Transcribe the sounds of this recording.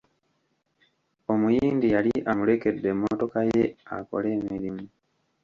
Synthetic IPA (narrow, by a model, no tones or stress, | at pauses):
o̞mujiːndijaliʔamuɾe̞ke̞dːemːoto̞kaje̞a̰ko̞̰le̞ːmiɾimu